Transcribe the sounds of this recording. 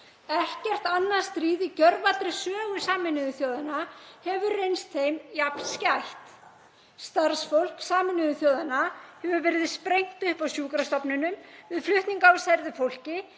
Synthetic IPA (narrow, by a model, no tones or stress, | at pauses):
ɛhcɛr̥t̪anːast̪ɾiːðicœɾvat̪ɾɪsœːɣʏ̥saːmɪnɪðʏθjoːwðanahɛvʏɾrejnst̪θejmjapnscajht̪ | st̪aɾsfowl̥ksaːmɪnɪðʏθjowðanahɛvʏvɛːɾɪðspɾejŋ̥t̪ʏhpawsjuːkɾast̪ɔpnʏnʏmvɪðflʏht̪niŋkaawsajɾðɪfowl̥cɪ